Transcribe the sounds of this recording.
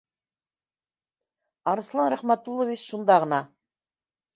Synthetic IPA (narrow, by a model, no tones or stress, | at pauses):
ɑɾɤ̆θlˠɑnɾæχmæt̪ulˠːɤvit͡ɕʃund̪ɑʁɤ̆nɑ